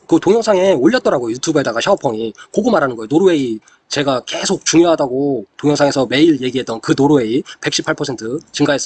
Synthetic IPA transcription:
kɯtoŋjʌŋsʰaŋeoʎːʌt͈ʌɾaɡojutʰubɯe̞daɡaɕʰaopʰʌŋikoɡɯmaɾanɯnɡʌenoɾoe̞i | t͡ɕe̞ɡake̞sʰok̚t͡ɕuŋjoɦadaɡotoŋjʌŋsʰaŋesʰʌme̞iɭje̞ɡiɦet͈ʌnkɯnoɾoe̞ipe̞k̚ɕ͈ʰi̥pʰːaɭpʰʌsʰe̞ntʰɯt͡ɕiŋɡaɦes͈

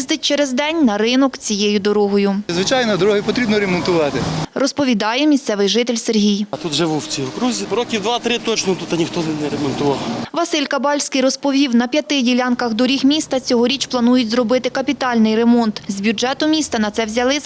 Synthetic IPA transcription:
zd̪ɪt̚ʲt͡ʃeɾezd̪ɛnʲnɐɾɪnɔkt͡sʲijejʊd̪ɔɾɔɦɔjʊzʋɪt͡ʃɑjnɔd̪ɔɾɔɦɪpɔt̪ɾʲibnɔɾemɔnt̪ʊʋɑt̪ɪrɔspɔʋʲid̪ɑjɛmʲisʲt̪sɛʋɪjʒɪt̪ɪlʲserɦʲijt̪ut̪ʒɪʋuwt͡sʲiʊkɾuzʲiɾɔkʲiwd̪ʋɑt̪ɾɪt̪ɔt͡ʃnɔt̪ut̪ɐnʲixt̪ɔnɪnɛɾemɔnt̪ʊʋɑlˠʋɐsɪlʲkɐbɑlʲsʲkɪjrɔspɔʋʲiwnɐpʲjɐt̪ɪdʲilʲɑnkɐxd̪ɔɾʲixmʲist̪ɐt͡sʲɔɦɔɾʲit͡ʃplˠɐnujʊtʲzrɔbɪt̪ɪkɐpʲit̪ɑlʲnɪjremɔnt̪zʲbʲʊd͡ʒɛt̪ʊmʲist̪ɐnɐt̪sɛwzʲɐlˠɪ

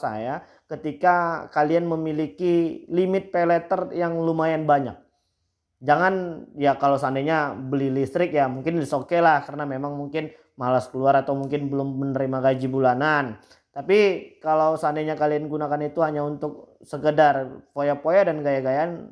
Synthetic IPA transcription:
sa̰ja | kət̪ikakalianməmilikilimɪt̪̚pelɛt̪ərjaŋlumajanbaɲa̰k̚ | d͡ʒaŋanjakalawsandaɲabəlilist̪ɾɪk̚jamuŋkɪndisokɛlahkaɾənamemaŋmuŋkɪn | malaskəluaɾat̪awmuŋkɪnbəlʊmːənəɾimaɡad͡ʒibulanan | t̪apikalawsandaɲakalianɡunakanit̪uhaɲaunt̪ʊk̚ | səkədarpojapojadanɡajaɡajan

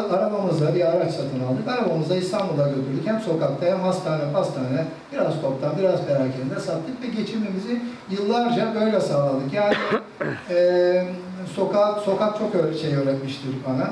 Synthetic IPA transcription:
aɾabamɯzd̪abiaɾat͡ʃsat̪ʰɯnalˠd̪ɯkaɾabamɯzd̪aist̪ʰanmbulˠaɟøt̪ʰyɾd̪ychɛmso̞kak̚t̪ʰaɦɛmɦast̪ʰaːnɛpast̪ʰaːnɛ | b̥iɾazt̪ʰop̚t̪ʰanbiɾazbɛɾaːcʰeɾind̪ɛsat̪ʰːɯkvɛɟe̞t͡ʃʰiɾme̞mizijɯlˠːaɾd͡ʒabø̞jlʲɛsaːlˠalˠd̪ɯkjaːni | ɛ | so̞kʰaso̞kak̚t͡ʃʰo̞kølʲʃejøɾɛt̪miʃt̪ʰɯɾbana

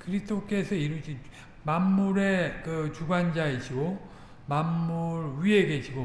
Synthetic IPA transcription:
kɯɾistʰok͈e̞sʰʌiɾud͡ʑi | mamːuɾe̞kɯt͡ɕuɡand͡ʑaed͡ʑiɡo | mamːuɾɥieɡe̞d͡ʑiɡo

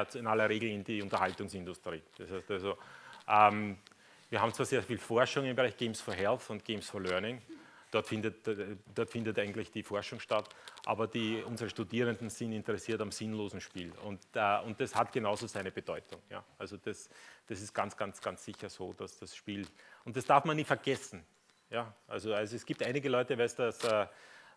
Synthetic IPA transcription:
t͡sɪnalɐʁeːɡl̩ɪndiʊ̃ntɐhaltʊŋsɪ̃ndʊstʁ̥iːd̥ɐshæɪstalzoʔɛm | viːɐaːbm̩t͡sv̥aːseːɐfiːlfɔɐʃʊŋɪmbəʁæɪçɡ̥eːmsfɔɐɦɛlθʊnt̚ɡ̥eːmsfɔɐlœɐnɪŋ | d̥ɔɐtfɪ̃ndətd̥ɔɐtfɪndətʔæɪɡŋ̩tlɪçd̥ifɔɐʃʊŋʃtatʔa̰ːbɐdiʔʊnzəʁəʃtudiːʁəndn̩zɪntɪntəʁɛsiːɐtamzɪnloːzn̩ʃpiːlʊ̰̃ntːʔʊnt̚d̥ashatɡ̥ənaʊzoːzæɪnəb̥əd̥ɔʏtʰʊŋja̰ːʔalzod̥asd̥asɪst̚ɡ̥ant͡sɡ̥ant͡sɡ̥ant͡ssɪçɐzoːd̥asd̥asʃpiːlʔʊ̃nt̚d̥asd̥aɐfmanːiːfɛɐɡ̥ɛsn̩ | jaːʔa̰lzoalzoɛsɡ̥iːp̚tʔaɪnɪɡəlɔʏtəvɛsd̥asɛː

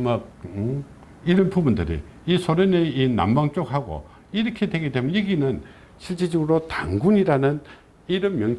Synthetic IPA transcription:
mak̚ | iɾʌnpubundɯɾḭ | isʰoɾʌneina̰mbaŋt͡ɕ͈ok̚haɡo̰ | iɾʌkʰedwe̞ɡedwe̞mjʌnjeɡinɯn | ɕʰiɭt͡ɕ͈id͡ʑʌɡɯɾotaŋɡuɲiɾanɯn | iɾɯmmjʌŋ

